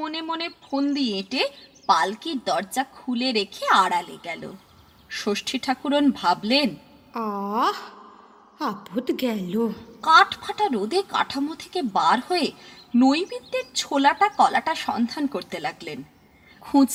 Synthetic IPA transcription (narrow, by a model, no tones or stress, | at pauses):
onemonepʰond̪ieʈepalkiɾd̪ɔɾd͡ʑakʰuleɾekʰeaɽalḛɡɛlo̰ | ʃoʃʈʰiʈʰakuɾonbʱablen | a | apot̪ɡɛlokaʈʰpʰaʈaɾod̪eka̰ʈʰamot̪ʰe̥kebaɾhoenojbid̪ːeɾt͡ɕʰolaʈakɔlaʈaʃɔnd̪ʱankoɾt̪elaɡlen | kʰũd͡ʑ